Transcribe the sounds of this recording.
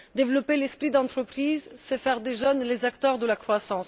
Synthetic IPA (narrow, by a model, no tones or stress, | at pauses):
d̪evlɔpelɛspχid̪ɑ̃t̪χəpχizsɛfɛʁd̪eʒœnlezakt̪œʁd̪əlakχwasɑ̃s